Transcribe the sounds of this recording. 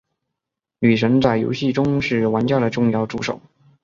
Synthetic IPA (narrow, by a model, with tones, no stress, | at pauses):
ny˨˩ʂə˧˥ŋt͡sa˥˩ɪjo̰˧˥ʊɕi˥˩ʈ͡ʂʊ˥ŋʂɻ̩˥˩wa˧˥nt͡ɕjɑ˥˩də˩ʈ͡ʂʊ˥˧ŋjɑ˥˩ʊʈ͡ʂu˥˩ʂo˨˩˦ʊ